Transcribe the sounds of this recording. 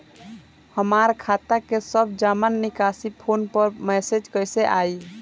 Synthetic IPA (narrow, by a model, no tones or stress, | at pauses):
həmaɾkʰat̪akesəbd͡ʒamanːikasipʰonpəɾmɛsed͡ʒkəjseʔai